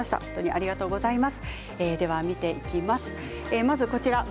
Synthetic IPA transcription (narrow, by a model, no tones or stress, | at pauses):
aɕi̥t̪a̰hõnt̪o̞ɲ̟iʔa̰ɾʲiɡat̪o̞ːɡo̞zaimasɨ̥ | ed̪e̞β̞amʲit̪e̞ʔikʲimasɨ̥ | emazɨko̞t͡ɕiɾa